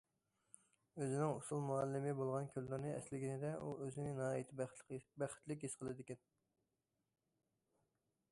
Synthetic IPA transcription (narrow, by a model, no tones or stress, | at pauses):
øzɪnɪŋusulˠmuɑlːɪmɪbolˠʁɑnkʲʰøllɪɾnɨɛ̰slɪɡʲinɪd̪ɛuøzɪnɪnɑːit̪ʰɪbæχɪ̥t̪lɪk̬ʲisqʰəlˠɨd̪ɪkʲɛn